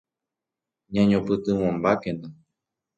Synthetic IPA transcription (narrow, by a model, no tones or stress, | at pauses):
ɲãɲõpɨt̪ɨ̃w̃õmbakẽnt̪a